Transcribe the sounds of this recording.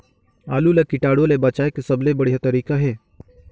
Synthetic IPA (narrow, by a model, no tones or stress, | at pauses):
aːlulɐkɪʈaːɽolebat͡ʃaːekesɐblebəɽjat̪əɾiːkaɦɛː